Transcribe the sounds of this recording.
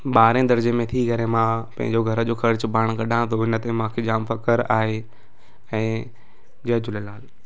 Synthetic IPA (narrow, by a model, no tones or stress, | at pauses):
ɓaːɾẽd̪ɐɾd͡ʑemẽt̪ʰiɡʱɐɾẽmãpɐ̃ɦɪ̰̃ɲd͡ʑoɡʱɐɾəd͡ʑoːxɐɾt͡ɕ̆paːɽ̃ɡɐɗãt̪ʰoɪnə̆t̪ẽmãːkʰeːd͡ʑaːmfɐkəɾaːɦe | ɛ̃ː | d͡ʑɐd͡ʑʊləlaːl